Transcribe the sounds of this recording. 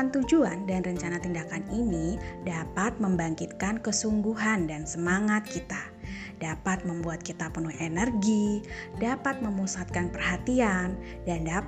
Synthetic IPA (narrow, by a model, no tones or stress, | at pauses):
ant̪ud͡ʒuandanrəɲt͡ʃanat̪indakaninidapat̪̚məmbaŋkit̪̚kankəsuŋɡuɦandansəmaŋat̪̚kit̪a | dapat̪̚məmbuat̪̚kit̪apənuhenərɡidapat̪̚məmusat̪̚kanpərhat̪ian | danda